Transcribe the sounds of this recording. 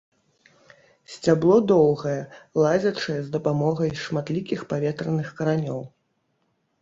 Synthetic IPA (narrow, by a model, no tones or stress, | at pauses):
sʲt͡sʲablˠɔd̪ɔwɣɐjɛlˠazʲɐt͡ʂɐjɛzd̪ɐpamɔɣɐjʂmat̪lʲikʲixpavʲɛt̪ɾɐnɨxkɐɾanʲɔw